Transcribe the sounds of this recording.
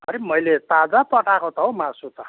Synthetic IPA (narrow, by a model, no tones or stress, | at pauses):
ɦʌɾemʌjlet̪ad͡zapʌʈakot̪ʌɦomasut̪ʌ